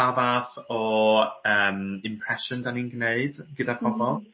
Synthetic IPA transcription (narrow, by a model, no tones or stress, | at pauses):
abaːθɔəːmɪmpʰɾɛʃʊndaninɡneɨd̥ɡ̥ədakʰɔmɔlˠ